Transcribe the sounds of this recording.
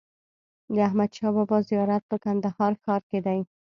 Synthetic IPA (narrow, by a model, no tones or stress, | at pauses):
d̪əaɦmad̪ʃɑbɔbɒzijɑɾat̪̚bəkand̪ahɑɾkʰɑɾked̪ai